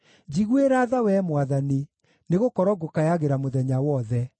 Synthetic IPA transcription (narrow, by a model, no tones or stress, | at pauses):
d͡ʒiɣweɾaðawɛmwaðani | neɣokɔɾɔɡokajaɣeɾamoðɛɲawɔðɛ